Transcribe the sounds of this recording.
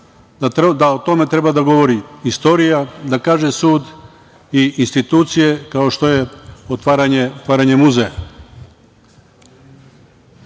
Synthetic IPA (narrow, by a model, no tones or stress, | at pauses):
d̪aot̪o̞me̞t̪ɾe̞bad̪aɡo̞ʋo̞ɾiist̪o̞ɾijad̪akaːʒesuːd̪ | iinst̪it̪uːt̪sije̞kao̞ʃt̪o̞jeot̪ʋaːɾaɲeot̪ʋaːɾaɲemuzeja̰